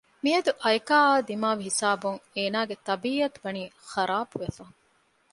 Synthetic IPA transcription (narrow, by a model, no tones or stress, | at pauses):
miɐd̪uʔɐjkaːaːd̪imaːʋiɦisaːbuŋeːnaːɡet̪ɐbiːɐt̪uʋɐniːxɐɾʔaːbuʋefɐ